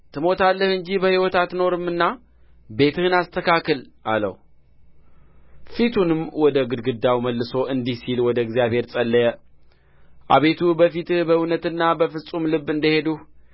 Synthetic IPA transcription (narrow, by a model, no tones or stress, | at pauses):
t̪ʰɨmo̞t̪ʰalːəhɨɲd͡ʒibəhiwɔt̪at̪no̞ɾɨmːɨnːa | be̞t̪ɨhɨnast̪ʰəkakəlʔa̰lə̰h | fit̪ʰunɨmwɔd̪əɡɨd̪ɡɨd̪awməlːɨso̞ʔɨnd̪ihsilwɔd̪əɪɡzjaβhe̞ɾt͡sʼəlːəjə | ʔaβe̞t̪ʰubəfit̪ɨbəunət̪ɨnːabəfɨsʼumlɨbːɨnd̪əhe̞d̪uh